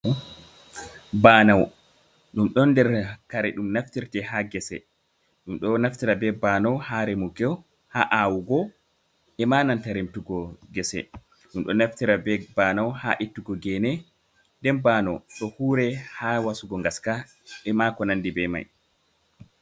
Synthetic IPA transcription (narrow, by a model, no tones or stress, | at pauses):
banaw | ɗumɗɔnːdɛɾkaɾɛɗumnaftiɾtɛhaɡɛsɛ̰ | ɗumɗɔnaftiɾabɛbanɔwhaɾɛmuɡɛw | ha̰ʔawuɡɔ | ʔɛmanantaɾimtuɡɔɡɛsɛ̰ | ɗumɗɔnaftiɾabɛbanawha̰ʔitːuɡɔɡɛnɛ | ndɛnbanɔ̰ɗɔhuːɾɛhawasuɡɔŋɡaska | ɛmakɔnandibɛma̰j